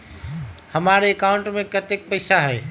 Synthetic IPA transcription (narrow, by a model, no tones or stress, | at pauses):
hɐmaːɾeːkaʊ̃ɳʈmẽkɐt̪ek̚pɐɪːsaɦɛː